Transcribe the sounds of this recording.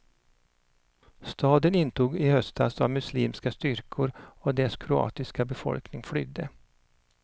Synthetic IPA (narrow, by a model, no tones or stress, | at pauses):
st̪ʰɑːd̪ənɪnːt̪ʰuːɡɪhœst̪a̰sɑmɵsliːmskast̪ʏɾkʰʊɾɔd̪ɛskʰɾʊɑ̰ːt̪ɪskabɛfɔ̰lknɪŋflʏ̰d̪ːə